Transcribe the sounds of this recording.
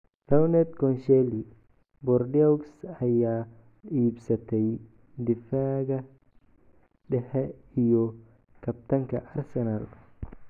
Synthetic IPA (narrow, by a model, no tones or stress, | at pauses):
rɐwnɛt̪kɔnʃɛli | bɔrdiɔksɐjaː | iːbsɐt̪ʰɛj | d̪ɪfaːɣɐ | ɖɛħɛijɔ | kʰɐb̚t̪ʰɐŋkʰɐ̰ʔɐrsɛnal